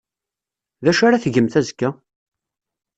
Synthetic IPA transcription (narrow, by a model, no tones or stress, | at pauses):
ðæʃaɾaθʝəmθæzkːæ